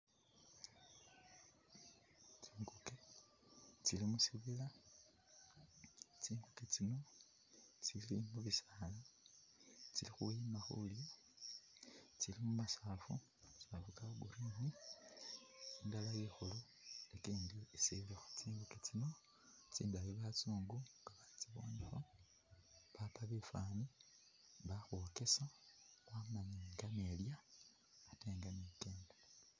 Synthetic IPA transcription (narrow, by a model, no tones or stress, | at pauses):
t͡ʃiːŋɡuke | t͡ʃilimusiβila | t͡ʃiːŋɡuket͡sino̞ | t͡silimuβisala | t͡silixujimaxuljo | t͡silimumasaːfu | safukaɡuɾiːni | indalajixulo | ekiːndiisiβlexo̥t͡siːŋɡuket͡sino̞ | t͡sḭːndaβiβat͡suːŋɡuŋɡaβat͡siβwonixo | βapaβefaːni | βaxwoke̞saamaɲeŋɡaneljaː | teːŋɡanikeːndo